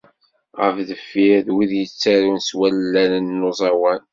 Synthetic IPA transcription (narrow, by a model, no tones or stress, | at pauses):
ʁəfðəfːiðwiðjət͡sːaɾunswælːænənːozˤɑwæn